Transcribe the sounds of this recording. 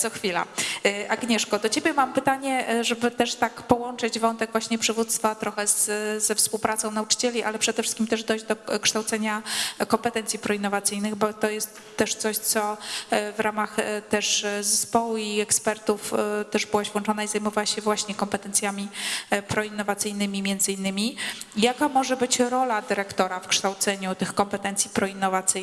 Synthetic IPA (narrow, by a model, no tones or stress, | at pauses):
sɔxfʲila̰ʔaɡɲɛʂkɔd̪ɔt͡ɕebʲjɛmampɘt̪aɲɛʐɛbɘt̪ɛʂt̪akpɔwɔnt͡ʂɘd͡ʑvɔnt̪ɛɡvwaɕɲɛpʂɘvut̪st̪fat̪ɾɔxɛzzɛfspuwpɾat̪sɔ̃w̃naut͡ʂɘ̥t͡ɕɛlʲiʔa̰lɛpʂɛd̪ɛfʂɘst̪kʲimt̪ɛʐd̪ɔjd͡ʑd̪ɔkʂt̪awt̪sɛɲakɔmpɛt̪ɛnt̪sʲjipɾɔinːɔvat̪sɘjnɘɣbɔt̪ɔjɛst̪ːɛʂt̪sɔɕt̪sɔvɾamaxt̪ɛʂzɛspɔwiɛkspɛɾt̪uft̪ɛʐbɘwaɕvwɔ̃nt͡ʂɔnaizajmɔvawaɕɛvwaɕɲɛkɔmpɛt̪ɛnt̪sʲjamʲipɾɔinːɔvat̪sɘjnɘmʲimʲjɛnd̪zɘinːɘmʲijakamɔʐɛbɘt͡ɕɾɔlad̪ɘɾɛkt̪ɔɾafkʂt̪awt̪sɛɲut̪ɘxkɔmpɛt̪ɛnt̪sʲjipɾɔinːɔvat̪sɘj